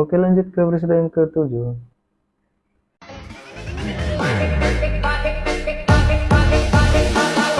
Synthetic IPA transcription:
okelaɲd͡ʒʊt̪̚kəpɾes̬idɛnkət̪ud͡ʒu

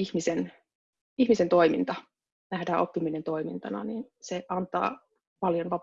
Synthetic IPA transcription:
ihmisen | ihmisent̪o̞imḭnt̪ɑ | næhdæːʔopːiminent̪o̞imḭnt̪ɑnɑ̰ninseʔɑnt̪ˑɑ̰ː | pɑljonʋɑp

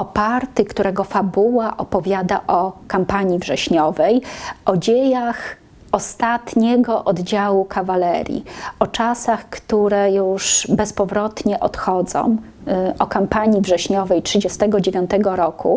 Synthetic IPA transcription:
ɔpaɾt̪ɘkt̪uɾɛɡɔfabuwaʔɔpɔvʲjad̪aʔɔkampaɲivʐɛɕɲɔvɛjɔd͡ʑejax | ɔst̪at̪ɲɛɡɔʔɔd̪d͡ʑawukʰavalɛɾʲjḭʔɔt͡ʂasaxkt̪uɾɛjuʂbɛspɔvɾɔt̪ɲɛʔɔt̪xɔd̪zɔ̰̃w̃ | ʔɔkampaɲivʐɛɕɲɔvɛjtʂɘd͡ʑɛst̪ɛɡɔd͡ʑevʲjɔ̃nt̪ɛɡɔɾɔkṵ

